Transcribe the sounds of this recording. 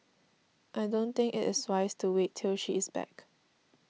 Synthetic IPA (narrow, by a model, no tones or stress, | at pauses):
ʔaɪdõnt̪ɪ̃ŋkɪ̰tɪswaɪstʰuwetʰːɪlʃiɪsbɛ̰k